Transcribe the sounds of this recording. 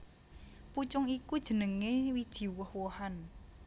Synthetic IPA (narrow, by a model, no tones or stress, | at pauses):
put͡ʃʊŋikud̥ʒ̥ə̤nəŋewid̥ʒ̥i̤wəhwohan